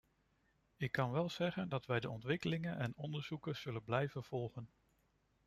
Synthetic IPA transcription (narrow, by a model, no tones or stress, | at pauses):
ɪkːɑnʋɛlˠz̥ɛχəndɑtʋɛjdəɔntʋɪkəlɪŋənʔɛnɔndəɹz̥ukəz̥ɵlənblɛjvənv̥ɔlˠχən